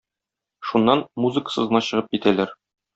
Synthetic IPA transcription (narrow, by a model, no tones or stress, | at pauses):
ʃunːɑnmuzɨkə̥sɤ̆zɤ̆nɑɕɤ̆ʁɤp̚kit̪ælæɾ